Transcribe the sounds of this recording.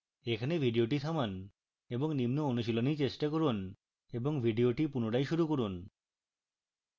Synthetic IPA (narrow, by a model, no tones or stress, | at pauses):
ekʰanebʱiɖioʈit̪ʰaman | eboŋnimnoonuʃilonit͡ɕesʈakoɾun | eboŋbʱiɖioʈipunoʈajʃuɾukoɾun